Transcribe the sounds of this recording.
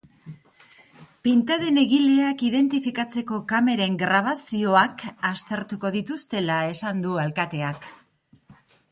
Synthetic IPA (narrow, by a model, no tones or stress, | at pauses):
pint̪aðe̞ne̞ɣile̞akiðe̞nt̪ifikat͡se̞ko̞kame̞ɾe̞ŋɡɾaβ̞asio̞akast̪e̞ɾt̪uko̞ðit̪ust̪e̞lae̞sand̪ualkat̪e̞ak